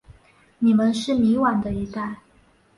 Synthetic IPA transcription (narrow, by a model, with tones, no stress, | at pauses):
ni˨˩mə˦nʂɻ̩˥˩mi˧˥wa˨˩nd̪ə˦i˧˥t̪a˥˩ɪ